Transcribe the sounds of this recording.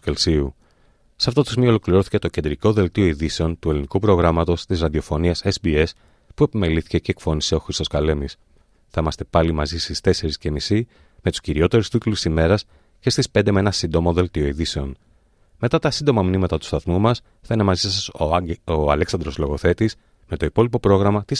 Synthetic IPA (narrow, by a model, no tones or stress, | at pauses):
elsiu | sɐft̪ot̪u̥smio̞lo̞kliɾo̞θi̥ce̞t̪o̞ce̞nd̪ɾiko̞ðe̞lt̪io̞iðise̞o̞nt̪ue̞linikupɾo̞ɣɾɐmɐt̪o̞st̪izɾɐðio̞fo̞niɐsesbie̞s | pue̞pime̞liθi̥ce̞ceːkfo̞niseo̞xɾist̪o̞skɐle̞mis | θɐimɐst̪e̞pɐlimɐzist̪ist̪e̞se̞ɾisce̞misi | me̞t̪u̥sciɾio̞t̪e̞ɾust̪ik̪lusime̞ɾɐs | ce̞st̪ispe̞nd̪emeenɐsind̪o̞mo̞ðe̞lt̪io̞iðise̞o̞n | me̞t̪ɐt̪ɐsind̪o̞mɐminimɐt̪ɐt̪u̥st̪ɐθmumɐs | θɐinemɐzisɐsooɐleksɐnd̪ɾo̞zlo̞ɣo̞θe̞t̪is | me̞t̪o̞ipo̞lipo̞pɾo̞ɣɾɐmɐt̪is